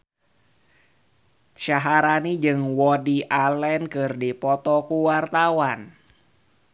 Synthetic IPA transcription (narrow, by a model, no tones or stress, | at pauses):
t͡ʃaɦaɾanid͡ʒɨŋwɔdiʔalɛnkɨrdipɔt̪ɔkuwart̪awan